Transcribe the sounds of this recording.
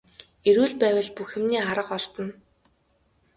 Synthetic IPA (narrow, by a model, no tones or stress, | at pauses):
eɾuːɮpæːwə̆ɮpuxɘ̆mniːaɾə̆qɔɮt̪ɞ̆n